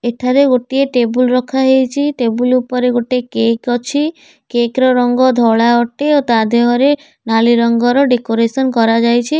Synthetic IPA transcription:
eʈʰaɾeɡoʈieʈebulɾɔkʰaɦejt͡ʃʰiʈebulupɔɾeɡoʈekekɔt͡ʃʰi | kekɾɔɾɔŋɡɔd̪ʱɔɭaɔʈeot̪ad̪ʱeɦɔɾe | naliɾɔŋɡɔɾɔɖekoɾesɔnkɔɾad͡ʒajt͡ʃʰi

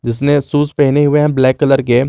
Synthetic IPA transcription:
d͡ʒɪs̬nesuːspɛɦneɦʊeɦɛ̃blɛːkːɐləɾke

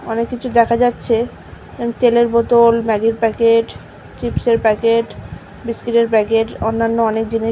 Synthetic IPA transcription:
ɔnekːit͡ɕʰud̪ɛkʰad͡ʑatːɕʰe | emt̪eleɾbot̪olmɛɡiɾpɛkeʈ | t͡ɕipʃeɾpɛkeʈ | biskɾiʈeɾpɛkeʈonːanːoɔnek̚d͡ʑini

